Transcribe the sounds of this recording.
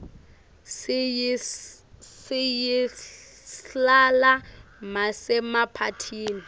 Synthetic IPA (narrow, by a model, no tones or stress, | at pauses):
sɪji | ɬalamasɛmapʰatʰiːni